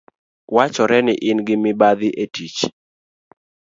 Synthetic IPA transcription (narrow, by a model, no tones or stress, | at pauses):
wat͡ʃɔɾɛnɪʔɪnɡɪmɪbad̪ɪʔetit͡ʃ